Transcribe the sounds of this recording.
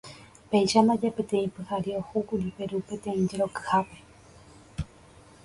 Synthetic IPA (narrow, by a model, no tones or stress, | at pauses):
pejʃand̪ad͡ʒapẽ̞t̪ẽ̞ĩpɨhaɾiohukud͡ʒupeɾupe̞t̪ẽ̞ĩd͡ʒeɾo̞kɨ̥hape̞̥